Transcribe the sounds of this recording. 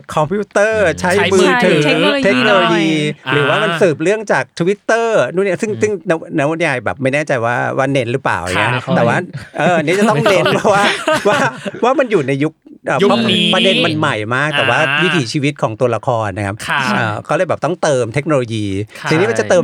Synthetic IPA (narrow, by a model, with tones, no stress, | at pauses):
kʰɔ˧mpʰjuː˦˥t̪ɤː˥˩t͡ɕʰa˦˥jmɯː˧t̪ʰɯ˨˩˦t̪ʰe˦˥k̚noː˧lo˧jiː˧ɾɯː˩˦waː˥˩ma˧nsɯː˨˩p̚ɾɯ˥˩əŋt͡ɕaː˨˩k̚t̪ʰu˧wi˦˥t̪ːɤː˥˩nu˦˥˩ni˦˥sɯ˥˩ŋsɯ˥˩ŋna˦˥na˦˥wo˧˥njaː˧jbɛ̰ː˨˩p̚ma˥˩jnɛː˥˩t͡ɕa˧jwaː˥waː˥˩ne˧˦˥nɾɯ˦˥pla̰ː˨˩wa̰˨˩ŋi˦˥t̪ɛː˨˩waː˥˩ʔɤː˧a˧niː˦˥t͡ɕa˨˩t̪ɔ˥˩˥ŋne˧˦˥nwaː˥˩waː˥˩waː˥˩waː˥˩ma˧njuː˨˩na˧jːu˦˥k̚ | ʔəː˨˩˧pɾa˧de˧nma˧nma˨˩jmaː˥˩k̚t̪ɛː˨˩waː˥˩wi˦˥t̪ʰiː˩˦t͡ɕʰiː˧wi˦˥t̪̚kʰɔː˩˦ŋt̪u˧ɐla˧kʰɔː˧nːa˦˥kʰa˦˥p̚ʰʔəː˨˩kʰɔː˥˩lɤː˧˩jbɛː˨˩p̚t̪ɔ˥˩ŋt̪ɤː˧mt̪ʰe˦˥k̚noː˧lo˧jiː˧sʰiː˧niː˦˥ma˧t͡ɕa˨˩t̪ɤː˧